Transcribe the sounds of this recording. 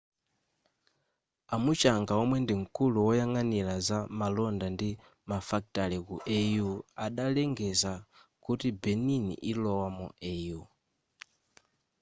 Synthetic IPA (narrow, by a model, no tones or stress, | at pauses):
amut͡ʃaŋɡaɔmwɛndiŋ̩kuluwɔjaŋanilazamalɔndandi | mafak̚talikuʔɛjuaɗalɛŋɡɛzakutibɛninḭʔilɔwamɔ̰ɛju